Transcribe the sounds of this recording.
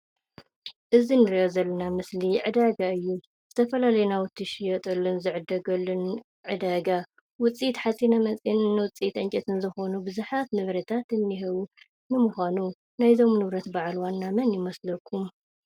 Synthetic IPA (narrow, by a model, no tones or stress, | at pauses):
ʔɨzinɨɾiʔozɐlːɐnamɨsliʕɨd̪aɡaɨjːu | z̥ɨt̪ʰɐfɐlalɐjnawʊt̪ʰːɨʃijɛt̪ʼɐlːunzɨʕɨd̪ɐɡɐlːun | ʕɨd̪aɡa | wʊt͡sʼit̪ħat͡sʼinamɐt͡sʼinɨnːɨwʊt͡sʼit̪ɐɲt͡ʃʼɐt̪ʰɨnzɨxo̞nubɨzuħat̪nɨβɾɐt̪ʰat̪ɨnːiɦɨβu | nɨmuxʷanu | najzo̞mnɨβɾɐt̪baʕlwanːamɐnjɪmɐslɐkʰːum